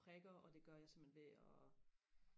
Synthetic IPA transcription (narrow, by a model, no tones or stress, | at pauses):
ʁɛɡ̥ɐɒ̽d̥e̝ɡ̥ɶɐjɑ̈ɪsemb̥enʋe̝ɒ